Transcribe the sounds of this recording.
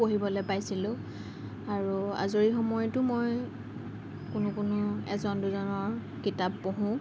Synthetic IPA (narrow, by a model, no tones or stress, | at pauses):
poɦibɔlojpajsilʊ̃ | aɹua̰zoɹixɔmɔjɔtʊmɔj | kʊnʊkʊnʊɛ̰zɔnduzɔnɔɹ | kitapːoɦʊ̃